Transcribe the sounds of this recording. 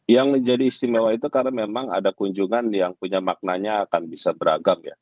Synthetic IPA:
jaŋməɲd͡ʒadiːst̪imewait̪ukaɾamemaŋa̰dakuɲd͡ʒuŋanjaŋpuɲamak̚naɲaːkanbisabəɾa̰ɡamja̰

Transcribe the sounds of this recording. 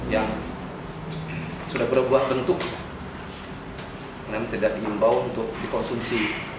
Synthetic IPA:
jaŋ | sudahbərbuaŋbənt̪ʊk̚ | namaŋt̪idaʔ̚diimbawunt̪ʊk̚dikɔnsumsi

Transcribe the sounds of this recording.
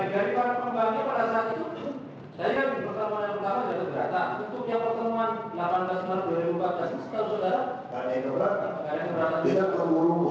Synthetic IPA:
daɾipaɾapəmbaɡapadasaat̪it̪ut̪u | sajajaŋdipərt̪amanapərt̪amad͡ʒaɡabəɾa̰t̪a̰nt̪ut̪uk̚jaŋpərt̪əmuan | lapanblasdaɾaduaɾibumpat̪̚blasisə̥t̪ausodaɾa | kadakəbəɾat̪̚kakadakəbəɾat̪ainat̪əuɾu

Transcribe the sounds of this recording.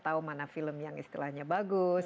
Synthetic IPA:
t̪aumanafiləmjaŋḭst̪ilahɲabaɡʊs

